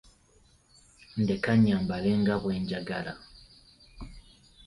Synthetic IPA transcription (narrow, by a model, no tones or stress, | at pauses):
ndekaɲːambaleŋɡaβwe̞ːɲɟaɡala